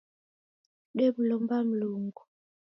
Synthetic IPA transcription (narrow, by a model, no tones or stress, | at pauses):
ɗebulɔmbam̩luːŋɡu